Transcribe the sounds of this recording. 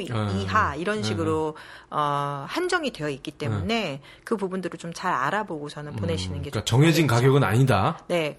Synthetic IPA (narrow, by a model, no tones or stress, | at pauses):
iɦaiɾʌnɕʰiɡɯɾoʌhand͡ʑʌŋidwe̞jʌik͈it͈e̞mune̞ | kɯpubundɯɾot͡ɕomt͡ɕaɾaɾaboɡot͡ɕʌnɯnpone̞ɕʰinɯnɡekat͡ɕʌŋɦed͡ʑinkaɡjʌɡɯna̰ɲidane̞